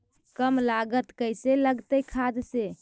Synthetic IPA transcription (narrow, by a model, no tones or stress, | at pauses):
kəmlaɡət̪kəjseləɡt̪əjkʰad̪se